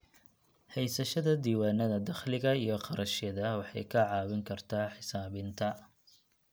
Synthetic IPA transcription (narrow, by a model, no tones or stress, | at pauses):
hɛjsɐʃɐðɐd̪iːwaːnɐðɐd̪ɐχlɪɣɐijɞqɑɾʔɐʃjɐðɐwɑħɑ̰jkʰɐʕɑːwɪŋkʰɐrt̪ʰaːħɪsaːβɪnt̪ʰɐ